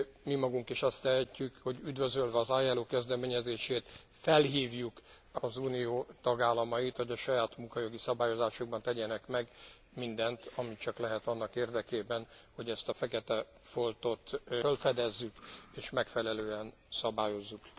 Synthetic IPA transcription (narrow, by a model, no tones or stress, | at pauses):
mimɒɡuŋkiʃɒst̪ɛɦɛcːykho̞ɟyd̪vø̞zølvɛɒzaːjaːloːkɛzd̪ɛmeːɲɛzeːʃeːt̪ | fɛlɦiːvjuk | ɒzuːnijoːt̪ɒɡaːlːɒmɒit̪ho̞ɟɒʃɒjaːt̪muŋkɒjo̞ɡisɒbaːjo̞zaːʃuɡ̚bɒnt̪ɛɟɛnɛkmɛɡ | mind̪ɛnt̪ʰɒmit͡ʃɒklɛɦɛt̪ɒnːɒkeːrd̪ɛkeːbɛnho̞ɟɛst̪ɒfɛkɛt̪ɛ | fo̞lt̪o̞t̪følfɛd̪ɛzːykeːʃmɛkfɛlɛløːɛn | sɒbaːjo̞zːuk